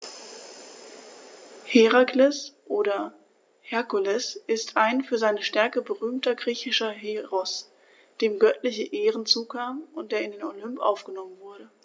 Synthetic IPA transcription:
heʁaklɛsʔoːɾɐ | hɛɐkulɛsʔɪstʰʔaɪnfyːɐzaɪnəʃtɛɐkəbəʁyːmtɐɡʁiːçɪʃɐɦeʁɔs | d̥eːmɡœtlɪçəʔeːʁənt͡suːkʰaːmʊnt̚d̥eːɐɪndeːnolʏmpʔa̰ʊfɡ̥ənɔmənvʊɐɾə

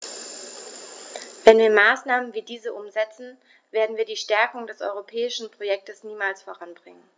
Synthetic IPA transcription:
v̥ɛnviːɐmaːsnaːmənviːdiːzəʔʊmzɛt͡sn̩ | veːɐdn̩viːɐdiːʃtɛɐkʊŋdɛsʔɔ̰ʏʁopʰɛːɪʃn̩pʁ̥ojɛk̚təsniːmaːlsfoʁanbʁɪŋən

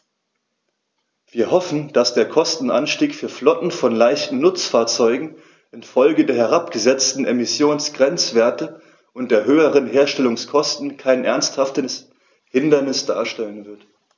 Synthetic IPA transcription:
v̥iːɐhɔfn̩d̥asd̥eːɐkʰɔstn̩ʔa̰nʃtiːkfyːɐflɔtn̩fɔnlaɪçtn̩nʊt͡sfaːɐt͡sɔʏɡŋ̩ | ʔɪnfɔlɡədeːɐɦɛʁ̞apɡ̥əzɛt͡stn̩emɪsjoːnsɡ̥ʁɛnt͡sv̥eːɐtə | ʔʊntd̥eːɐɦøːəʁ̞ənɦeːɐʃtɛlʊŋskʰɔstn̩kʰaɪnʔɛɐnsthaftəs | hɪndɐnɪsd̥a̰ːɐʃtɛlənvɪɐt

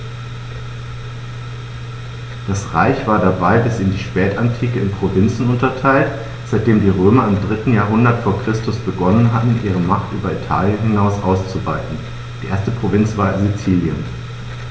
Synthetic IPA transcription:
d̥asʁa̰ɪçv̥aːɐdabaɪbɪsɪndiːʃpɛːtantʰiːkəɪnpʁ̥ovɪnt͡sn̩ʊntɐtʰaɪlt | z̥aɪt̚d̥eːmdiːʁøːmɐɪmdʁɪtn̩jaːɐɦʊndɐtfoːɐkʁ̥ɪstʊsb̥əɡɔnənɦatn̩ʔiːʁ̞əmaχtʔy̰ːbɐitʰa̰ːljənɦɪnaʊsʔaʊst͡suva̰ɪtn̩ | d̥iːʔḛɐstəpʁ̥ovɪnt͡sv̥aːɐzit͡siːljə̰n

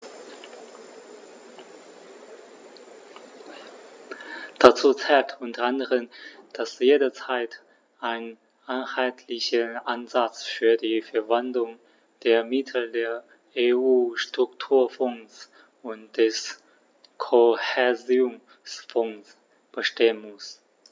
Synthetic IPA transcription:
d̥at͡suːt͡sɛːltʰʔʊntɐʔandəʁənd̥asjeːdɐt͡saɪt | ʔaɪn | ʔaɪnhaltʰlɪçəʔanzat͡sfyːɐdiːfɛɐvandlʊŋ | d̥eːɐmɪtʰl̩deːɐ | eːʔuːʃtʁ̥ʊktʰuːɐfɔŋs | ʊntd̥ɛs | kʰohɛɐzʊŋ | sfɔŋs | b̥əʃteːənmʊs

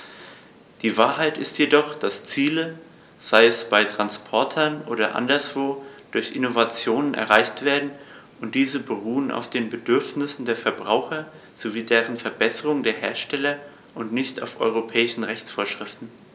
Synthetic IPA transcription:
d̥iːvaːɐɦaɪtɪstjedɔχd̥ast͡siːlə | z̥aɪɛsb̥aɪtʁ̥anspʰɔɐtʰɐnʔoːɾɐʔa̰ndɐsv̥oːd̥ʊɐçʔɪnovat͡sjoːnənʔɛ̰ɐʁaɪçtv̥eːɐdn̩ | ʊnt̚d̥iːzəbəʁuːənʔa̰ʊfd̥eːnbədʏɐfnɪsn̩deːɐfɛɐbʁaʊxɐ | z̥oviːdɛːʁənfɛɐbɛsəʁʊŋdeːɐɦeːɐʃtɛlɐ | ʔʊntnɪçta̰ʊfʔɔ̰ʏʁopʰɛːɪʃn̩ʁɛçt͡sfoːɐʃʁ̥ɪftn̩

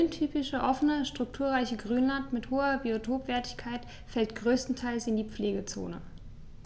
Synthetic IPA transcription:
ʏntʰyːpɪʃəʔɔfənəʃtʁ̥ʊk̚tʰuːɐʁaɪçəɡʁyːnlantmɪthoːɐbiotʰoːpv̥ɛːɐtɪçkʰaɪt | fɛltɡ̥ʁøːstn̩tʰaɪlsɪndiːp͡fleːɡət͡so̰ːnə̰

